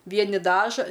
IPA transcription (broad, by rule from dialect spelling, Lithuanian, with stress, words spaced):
ˈʋʲiɛnʲɪ ˈdɑːʒɐ